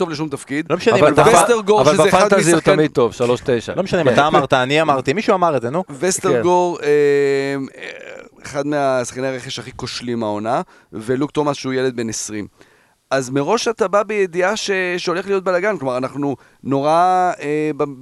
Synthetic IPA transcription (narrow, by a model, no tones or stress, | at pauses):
t̪o̞vleʃ̬umt̪afkid̪lmeʃaneivvest̪eʁɡoʁvvalafaadt̪aziut̪amid̪̚t̪ovʃaloʃt̪ejʃa̰lomeʃaneimataːmaʁt̪aːniamaʁt̪imiʃuamaʁedzenuvest̪eʁɡoʁem | eχad̪measḁχkaneaʁeχeʃaχiko̞ʃlimao̞na | velukt̪o̞masʃeujele̞d̪̚be̞nesʁim | ʔazmeʁo̞ʃat̪ababejed̪iaʃeʃeo̞le̞χlijo̞t̪̚belaɡankloaʁanaχnu | no̞ʁaeba